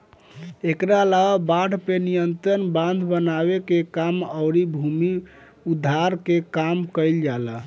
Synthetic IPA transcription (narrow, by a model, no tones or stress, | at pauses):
ekɾalababaɽpenijənt̪ɾənbãnd̪ʱbənaβekekaməʊɾibʱumi | ud̪ʱːaɾkekamkəɪld͡ʒala